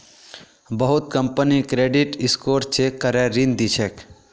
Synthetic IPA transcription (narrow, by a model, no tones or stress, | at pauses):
bəɦʊt̪̚kə̃mpənikɾeːɖiʈɪskoːɾt͡ʃʰekːəɾɛɾind̪it͡ʃʰek